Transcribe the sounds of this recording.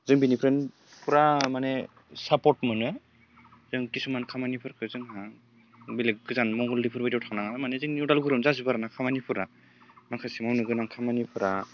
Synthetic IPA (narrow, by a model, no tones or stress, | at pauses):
zɯŋbinipʰɾen | pʰɯɾamane | sapɔtmɯnɯ | zɯŋkisumankʰamanipʰɯɾkʰɯzɯŋɦa | bilek̚ɡɯzanmɔŋɡɔldipʰɯɾbadawtʰaŋnaŋamanezɯŋniudalɡɯɾɯmzazɯbaɾanakʰamanipʰɯɾa | makʰasimawnɯɡɯnaŋkʰamanipʰɯɾa